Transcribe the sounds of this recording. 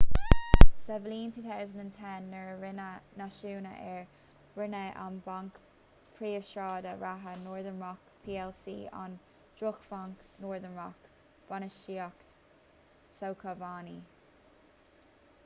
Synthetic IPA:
sɛvəliːntʰuːθawzə̃ndə̃ntʰɛnːəɹɪnnaʃuːnə̰ʔɛɹ | ɹɪnəʔa̰nbaŋk | pʰɹiːəv̥ʃɑːdəɹaɦənɔːɹðənɹɔkpʰiːɛlsḭːʔɔ̰n | d̥ɹʊkfaŋknɔːɹðənɹɔk | b̥anəʃiːakt | sowkʰəvaːni

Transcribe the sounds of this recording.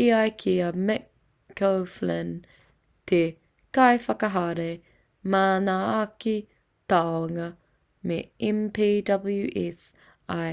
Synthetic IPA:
iɐjkʰiɐmɛkː | owflɛn | t̪ʰe | kɐjfɐkɐɦɐɾe | maːnaaki | t̪awɐŋɐ | mḛɛmpʰiːdɐbəljuʔɛs | aj

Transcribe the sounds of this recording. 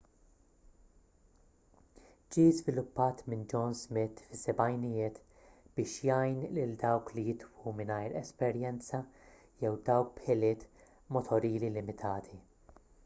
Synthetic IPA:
d͡ʒiːzvɪlʊpːɐːt̪mɪnd͡ʒɔnzmɪt̪ːfɪsɛbɐjnɪjɪːt̪ | b̥ɪːʃjɐjnlɪld̪ɐwklijɪt̪wumɪnɐjɾɛspɛɾjɛnt͡sɐ | jɛwd̪ɐwk̚pħɪlɪːt̪ | mɔt̪ʰɔɾiːlilɪmɪt̪ʰɐːt̪ʰi

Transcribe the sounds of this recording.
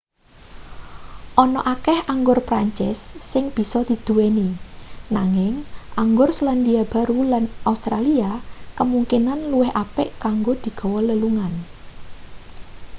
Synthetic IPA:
ʔɔnɔʔakɛhaŋɡʊrpɾaɲt͡ʃɪ̰sːɪŋb̥i̤sɔd̪̥i̤d̪̥uweninaŋɪŋʔaŋɡʊrsəland̪iab̥a̤ɾulanʔaust̪ɾaliakəmuŋkinanluwɪhʔapɪʔkaŋɡod̪̥i̤ɡ̥ɔ̤wɔləluŋan

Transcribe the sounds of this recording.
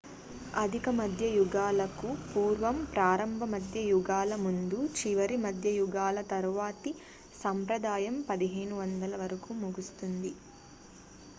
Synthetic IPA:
ɐd̪ʱikɐmɐd̪ʱjɐjuɡaːlɐkupuːɾʋɐmpɾaːɾɐmbʱɐmɐd̪ʱjɐjuɡaːlɐmund̪ut͡ʃiʋɐɾimɐd̪ʱjɐjuɡaːlɐt̪ɐɾʋaːt̪i | sɐmpɾɐd̪aːjɐmpɐd̪iɦeːɳuʋɐnd̪ɐlɐʋɐɾɐkumuɡust̪und̪i

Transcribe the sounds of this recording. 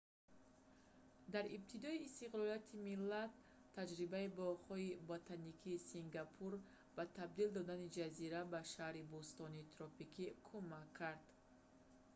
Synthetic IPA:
d̪aɾib̚t̪ʰid̪ɔiːst̪iqlɔliat̪ʰimilːat̪ʰː | ad͡ʒɾibaibɔχhɔibɔt̪ʰanikʰiːsiŋɡapʰuɾ | bat̪ʰab̚d̪ild̪ɔd̪anid͡ʒaziɾabaʃahɾibust̪ɔnit̪ʰɾɔpikʰikʰumakʰːaɾd̪̥

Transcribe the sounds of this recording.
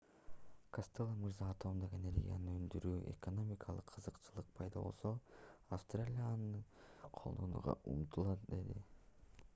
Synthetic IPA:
kost̪elˠəmɯɾzɑːt̪ʰo̞md̪oqenʲe̞ɾʲɡʲḭja̰nɯønd̪yɾyːʔḛko̞no̞mʲikʰɑlˠɯqʰːɯzɯqt͡ʃɯlˠɯq̚pʰɑjd̪ɑβo̞̰lˠsoafst̪ralʲijanɯɯqʰo̞lˠd̪onṵʁɑ̰ʔṵmt̪ʰulˠɑt̪̚d̪e̞d̪ḭ

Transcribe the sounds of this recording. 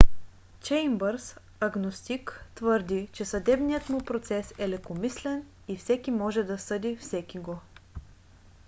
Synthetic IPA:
t͡ʃɛjmbəɾs | ɐɡnost̪ikt̪vɤɾd̪it͡ʃɛsɐd̪ɛbnijət̪mupɾot̪sɛsɛlɛkomislɛn | ifsɛkimɔʒɛd̪ɐsɤd̪ifsɛkiɡo

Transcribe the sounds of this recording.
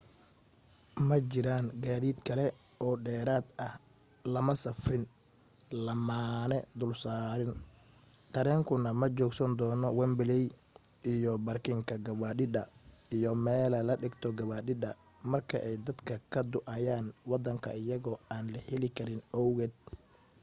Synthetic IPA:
mɐt͡ʃɪɾaːnɡaːðiːd̪kʰɐlɛ | ɔːɖɛːɾaːd̪ɐh | lɐmɐsɐfrɪn | lɐmaːnɛd̪ʊlsaːɾɪn | t̪ʰɐɾɛːŋkʰʊnɐmɐt͡ʃɔːɡsɐnd̪ɔːnɔwɛmbɪlɛj | ijɔbɐrkʰɪŋkʰɐɡɐβaːɗɪd̪ɐijɔmɛːlɐlɐɖɪɡt̪ʰɔɡɐβaːɖɪd̪ɐ | mɐrkʰɐ̰ʔɛjd̪ɐd̪kʰɐkʰɐd̪ʊʔɐjaːnwɑd̪ɐŋkʰɐɪjɐɣɔːaːnlɐhɛlɪkʰɐɾɪnɔwɣɛːd̪̚

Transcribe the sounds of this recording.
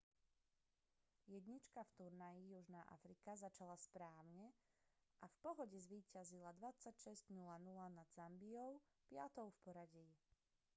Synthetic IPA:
jɛd̪ɲit͡ʃkaft̪uɾnajijuʒnaːʔa̰fɾikazat͡ʃalaspɾaːʊɲɛʔafpɔɦɔɟɛzʋiːcazilad̪ʋat͡sacʃɛzɟnulanulanad̪zambiɔʊ | pɪat̪ɔʊfpɔɾaɟiː

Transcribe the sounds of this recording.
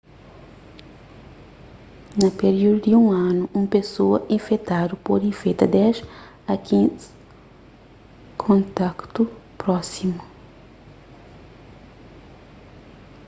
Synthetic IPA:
nɐpeɾiwd̪ʊd̪ɪũɐ̃nʊʔũpesoɐʔẽfet̪ad̪ʊpoɾĩfet̪ɐd̪ɛʃ | ɐkʰĩz̥ | kʰõnt̪akt̪ʊpɾɔsimʊ

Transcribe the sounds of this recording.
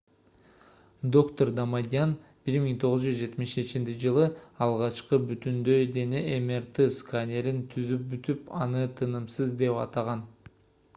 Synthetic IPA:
d̪o̞kt̪o̞rd̪amad̪ʲɪan | b̥iɾmiŋt̪ʰo̞ʁuzd͡ʒyzd͡ʒe̞t̪miʃe̞t͡ʃint͡ʃid͡ʒɯlˠɯɑlˠʁɑt͡ʃqɯbyt̪ynd̪ø̞jd̪e̞neʔemert̪ɨskanʲe̞ɾint̪ʰyzyp̚byt̪ypɑnɯt̪ʰɯnɯmsɯzd̪e̞pɑ̰t̪ɑʁɑn

